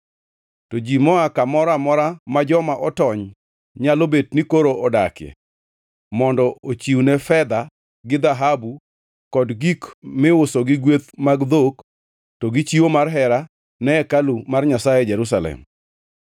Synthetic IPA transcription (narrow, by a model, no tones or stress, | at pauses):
tod͡ʒimɔakamɔɾamɔɾamad͡ʒɔmaʔɔtɔɲ | ɲalobednikoɾoɔda̰kɪɛ̰ | mɔndɔʔot͡ʃiwunɛfɛd̪a | ɡɪd̪aɦabu | kɔdɡikmɪʊsoɡɪɡwet̪maɡd̪ok | tɔɡɪt͡ʃiwomarɦɛɾa | nɛɛkalumarɲasajɛd͡ʒɛɾusalɛ̰m